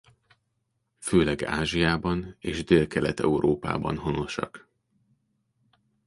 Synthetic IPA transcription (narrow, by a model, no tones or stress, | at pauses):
føːlɛɡa̰ːʒijaːbɒneːʒd̪eːlkɛlɛt̪ɛ̰uɾʔoːpa̰ːbɒ̰nho̞no̞ʃɒ̰k